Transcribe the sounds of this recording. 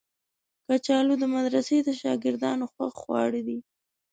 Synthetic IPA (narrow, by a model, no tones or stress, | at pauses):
kat͡ʃɑlod̪əmad̪ɾased̪əʃɑ̰ɡɪɾd̪ɑnoxwaxwɑ̰ɽid̪i